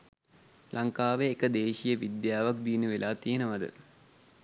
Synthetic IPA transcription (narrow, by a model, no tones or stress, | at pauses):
lʔaŋkaːʋeːkəd̪eːʃijəʋid̪jaːʋak̚b̪iːnuʋelaːt̪ijənəʋad̪ə̰